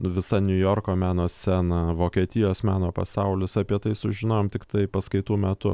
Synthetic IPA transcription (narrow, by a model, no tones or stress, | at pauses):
ʋʲɪsɐnʲʊjoːrkoːmʲæːnoːsʲsʲæːnɐʋoːkʲiɛt̪ʲɪjoːsmʲæːnoːpɐ̰sɐʊlʲɪsɐpʲiɛt̪ɐɪsʊʒʲɪnoːjoːmt̪ʲɪkt̪ɐɪpɐskɐɪt̪uːmʲɛt̪ʊ